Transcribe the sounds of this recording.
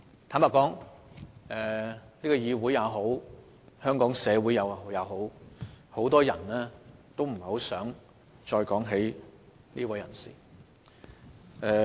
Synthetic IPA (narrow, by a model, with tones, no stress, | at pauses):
t̪ʰaː˨˥mpaː˨tkɔː˨˥ŋ | ɛː˨˩niː˥kɔː˧jiː˨˧wuː˨˥jːaː˨˧wɦo˨˥w | hœː˥ŋkɔː˨˥ŋsɛː˨˧wuː˨˥jɐ˨˧wjɐ˨˧wɦo˨˥who˨˥wt̪̬ɔː˥jɐ˨˩nlɛː˥t̪o˥wm̩˨˩ho˨˥wsœː˨˥ŋ | t͡ʃɔː˧jkɔː˨˥ŋɦe˨˥j | niː˥wɐ˨˥jɐ̰˨˩nsḭː˨˩ | ɛː˨˧